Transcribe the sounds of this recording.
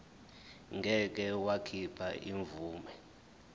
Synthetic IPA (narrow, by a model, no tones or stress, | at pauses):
ŋʱɛk̬ɛwakʰipʰa̰ʔiɱvuːmɛ